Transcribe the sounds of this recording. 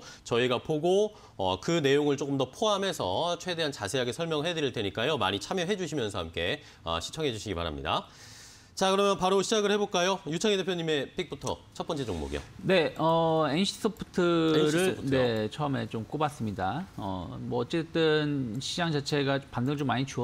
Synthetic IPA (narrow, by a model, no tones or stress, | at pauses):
t͡ɕʌiɡapoɡo | ʌ̰kɯne̞joŋɯɭt͡ɕ͈ok͈ɯmdʌpʰoɦamɦe̞sʰʌt͡ɕʰwe̞de̞ɦant͡ɕasʰe̞ɦaɡe̞sʰʌɭmjʌŋɯɭɦedɯɾiɭtwe̞ɲik͈ajoma̰ɲit͡ɕʰamjʌɦe̞d͡ʑuɕ̬ʰimjʌnsʰʌɦamk͈e̞ | ʌ̰ɕʰi̥t͡ɕʰʌŋɦe̞d͡ʑuɕʰiɡipa̰ɾa̰mɲḭda̰ | t͡ɕakɯɾʌmjʌnpaɾoɕʰid͡ʑaɡɯɭhe̞boɭk͈ajojut͡ɕʰaŋide̞pʰjoɲime̞pʰik̚p͈utʰʌ̰t͡ɕʰʌp͈ʌnt͡ɕ͈ed͡ʑoŋmo̰ɡḭo̰ne̞ʌenɕʰi̥s͈ʰɯpʰu̥tʰɯɾɯɭne̞t͡ɕʰʌme̞t͡ɕomk͈obas͈ɯmɲidaʌ̰mʌʌt͡ɕ͈et͈ɯnɕʰid͡ʑaŋd͡ʑat͡ɕʰe̞ɡapandɯŋɭt͡ɕomːaɲit͡ɕuʌ